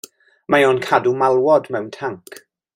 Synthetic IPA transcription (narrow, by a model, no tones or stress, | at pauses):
majonkʰadumalˠwɔdmɛwntʰaŋkʰ